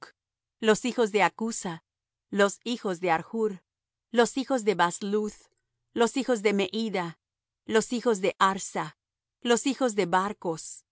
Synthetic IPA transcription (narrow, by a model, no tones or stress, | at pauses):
lo̞sixo̞zðe̞akusa | lo̞sixo̞zðe̞aɾxuɾ | lo̞sixo̞zðe̞βasluð | lo̞sixo̞zðe̞me̞ʔiða | lo̞sixo̞zðe̞ʔaɾsa | lo̞sixo̞zðe̞βaɾko̞s